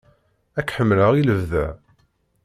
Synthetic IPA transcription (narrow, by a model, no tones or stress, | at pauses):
ækːħəmːləʁiləvðæ